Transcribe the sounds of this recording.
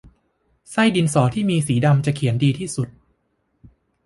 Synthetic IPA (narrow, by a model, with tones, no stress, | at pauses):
sa˥˩jdi˧nsɔː˩˦t̪ʰiː˥˩miː˧siː˩˦da˧mt͡ɕa˨˩ʔkʰi˩˦əndiː˧t̪ʰiː˥˩su˨˩t̪̚